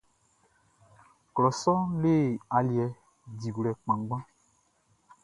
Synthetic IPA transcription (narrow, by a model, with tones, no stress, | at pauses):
klɔ˨sɔ˦leː˦˨a˨ljɛ˨ | di˨ɡlɛ˨k͡pã˨ŋ˦ɡ͡bã˦